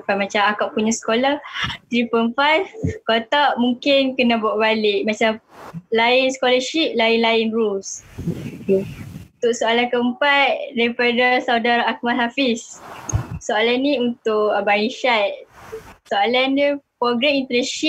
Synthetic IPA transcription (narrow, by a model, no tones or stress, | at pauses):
pamat͡ʃamakaʔpuɲasə̥kolat̪ɾipənfajfkot̪aʔmuŋkɪnkənãbuaʔbalɪʔmat͡ʃamlainsə̥koləʃip̚laɪnlaɪnrus | ut̪ʊʔsoalankəəmpatdaɾipadasaudaɾaak̚malɦafis | soalanːiunt̪ʊʔbajiʃat̪̚soalandipɾoɡɾamint̪əɾɛsʃi